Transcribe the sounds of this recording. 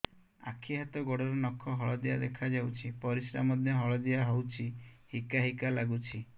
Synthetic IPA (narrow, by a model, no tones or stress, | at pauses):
a̰kʰiɦat̪ɔɡɔɽɔɾɔnɔkʰɔɦɔɭɔd̪iad̪ekʰad͡ʒawt͡ʃʰipɔɾisɾa̰mɔd̪ʱjɔɦɔɭɔd̪iaɦɔwt͡ʃʰihikaɦikalaɡut͡ʃʰi